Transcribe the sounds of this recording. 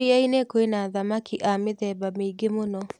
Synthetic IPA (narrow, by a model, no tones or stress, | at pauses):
iainekoenaðamakiʔameðɛbameiɡemonɔ